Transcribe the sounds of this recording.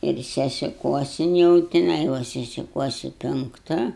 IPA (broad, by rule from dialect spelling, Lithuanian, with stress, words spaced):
ɪr sʲɛsʲɪˈkuɔsʲɪn jɛʊ tʲɪˈnɐɪ ˈʋɐ sʲɛsʲɪˈkuɔsʲɪ pʲɛŋkˈtɐ